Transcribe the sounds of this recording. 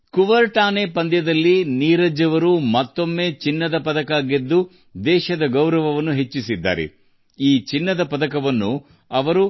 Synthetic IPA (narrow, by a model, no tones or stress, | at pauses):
kuʋɐɾʈaːneːpɐnd̪jɐd̪ɐlːiniːɾɐd͡ʒɐʋɐɾumɐt̪ːo̞mːe̞ːt͡ʃinːɐd̪ɐpɐd̪ɐkaːɡed̪ːu | d̪ɛːʃɐd̪ɐɡɐwɾɐʋɐʋɐnːuɦe̞t͡ʃːisid̪ːa̰ːɾḛ | iːt͡ʃinːɐd̪ɐpɐd̪ɐkɐʋɐnːu | ɐʋɐɾu